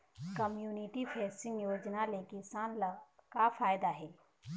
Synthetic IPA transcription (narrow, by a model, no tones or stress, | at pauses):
kəmjuːnɪʈifʰɛːsɪ̃ŋɡjoːd͡ʒnalẽkɪsaːnlkafaːjd̪aɦɛː